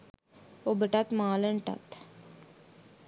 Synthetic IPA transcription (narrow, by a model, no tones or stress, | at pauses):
obəʈɐt̪maːləɳʈɐ̰t̪